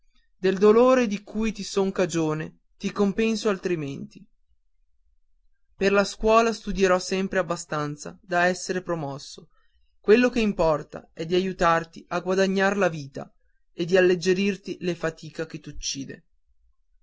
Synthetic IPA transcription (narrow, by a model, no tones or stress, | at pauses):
d̪eld̪oloːɾed̪ikujt̪isoŋkad͡ʒoːne | t̪ikompɛnsoalt̪ɾiment̪i | perlaskwɔːlast̪ud̪jeɾɔsːɛmpɾeabːast̪ant̪sa̰d̪aɛsːeɾepɾomɔsːo | kwelːokeimpɔrt̪a̰ɛd̪ːiajut̪art̪iʔaɡwad̪aɲːaɾlaviːt̪a̰ | ed̪ːialːed͡ʒeɾirt̪ilefat̪iːkak̟et̪ːut͡ʃːiːd̪ḛ